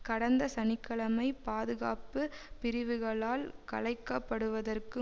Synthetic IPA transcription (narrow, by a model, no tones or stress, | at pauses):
kɐɽɐnd̪ɐsɐnɪkːɐɭɐmɐɪpaːðɯɣa̰ːpɯpɪɾɪʋɯɣɐɭaːlkɐ̰ɭɐɪkːɐpːɐɽɯʋɐðɐrkɯ